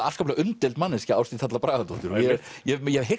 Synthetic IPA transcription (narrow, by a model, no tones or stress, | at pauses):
a̰̥skaplaʔʏnt̪ɛlt̪manːɪscɪaːwst̪iθat̪lapɾaːɣat̪ut̪ʏɾɔjɛ | jɛjɛɦɪ